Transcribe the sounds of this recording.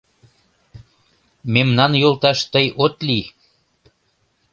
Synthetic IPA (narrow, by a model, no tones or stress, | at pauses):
memnɑnjolt̪ɑʃt̪əjot̪li